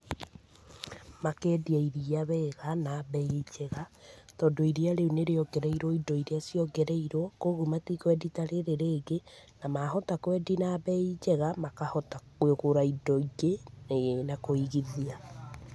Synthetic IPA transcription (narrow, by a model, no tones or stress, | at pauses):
makɛːdiaiɾiaβɛɣanaβɛid͡ʒɛɣatɔndoiɾiaɾeuneɾeɔɡɛɾɛiɾwɔidɔiɾeasjɔɡɛɾɛiɾwɔkoɣumatikwɛditaɾeɾeɾeːɡenamaɦɔtakwɛdinaβɛid͡ʒɛɣamakahɔtakweɣoɾaidɔiɡenenakoiɣiðia